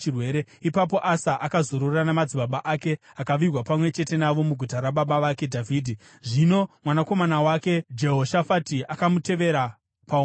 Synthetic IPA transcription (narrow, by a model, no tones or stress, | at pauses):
irweːɾeipap̬o̞ʔasaʔakazoɾorranamad͡ziɓaɓaʔake̞akaʋirwapamwe̞t͡ʃe̞te̞naʋo̞muɡʱutaɾaɓaɓaʋake̞dʱavʱiːdʱi | ʐino̞mwanako̞manawake̞d͡ʒe̞ɦo̞ʃafatiakamute̞ʋe̞ɾa | pa